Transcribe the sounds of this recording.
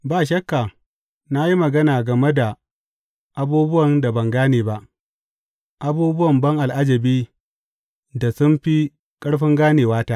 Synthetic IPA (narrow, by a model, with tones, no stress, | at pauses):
baː˦˨ʃ̬ɐ˦kːa˨ | na˦ji˦mɐ˨ɡɐ˦naː˨ɡɐ˨me˦da˨ | ʔa˦buː˦bʊ˦wɐ˨nda˨bɐ˨ŋɡaː˦neː˨ba˦ʔ | ʔa˦buː˦bʊ˦wɐ˨mbɐ˦ŋʔa˨lʔa˦d͡ʒɐ˨biː˦ | da˨sʊ˦mɸi˦ | kʼɐ˦ɽɸɪ˦ŋɡaː˦neː˨waː˦taː˦